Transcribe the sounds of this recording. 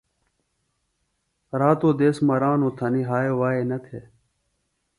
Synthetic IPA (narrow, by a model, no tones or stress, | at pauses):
ɾaːt̪oːd̪eːsmɐɾaːnoːt̪ʰɐniɦaːjewaːeːnɐt̪ʰe